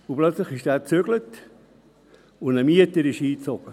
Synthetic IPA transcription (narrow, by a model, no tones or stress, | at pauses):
ʊplœt͡sləχɪʃd̥æːt͡søɡ̥lət | ʊndəmiətəɾɪʃiːt͡sɔɡ̥ə